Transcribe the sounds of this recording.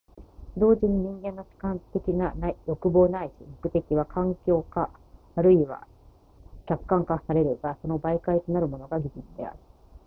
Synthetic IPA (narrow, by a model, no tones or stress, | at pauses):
d̪o̞ːʑiɲ̟iɲ̟ĩŋɡẽ̞nːo̞ɕi̥kãnt̪e̞kʲinanaijo̞kɯ̟bo̞ːnaiɕimokɯ̟t̪e̞kʲiβ̞akʰãŋkʲo̞ːkaː | ɾɯ̟iβa̰ | kʲakkːãŋkasaɾe̞ɾɯ̟ɡaso̞no̞baikait̪onaɾɯ̟mo̞no̞ɡaɡʲid͡ʑit͡sɨd̪e̞̰a̰ɾɯ̟